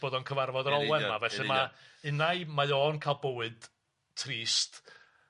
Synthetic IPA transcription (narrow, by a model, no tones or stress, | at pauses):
b̥oːðɔnkʰəvarvɔdəɾɔlˠwɛnmavɛɬɨmaɨnajmajoːnkʰalˠbəwɨd̥ | tʰriːst